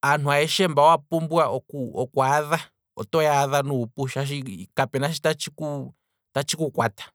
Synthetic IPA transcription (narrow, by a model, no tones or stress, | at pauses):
an̥uaɛʃɛmbaɔwapumbwaʔɔkuɔkuaða | ɔ̰tɔjaðanuːpuʃaʃ̬ikapɛnaʃ̬itat͡ʃiku | tat͡ʃikukwatḁ